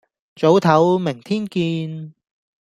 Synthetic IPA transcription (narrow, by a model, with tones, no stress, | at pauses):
t͡so˨˥wt̪ʰɐ˨˥wmɪ˨˩ŋt̪ʰiː˥nkiː˧n